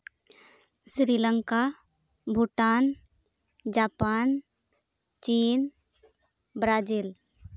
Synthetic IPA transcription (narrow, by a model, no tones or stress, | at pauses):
sɾiːləŋka | bʱuʈaːn | d͡ʒaːpaːn | t͡ʃiːn | bɾaːd͡ʒil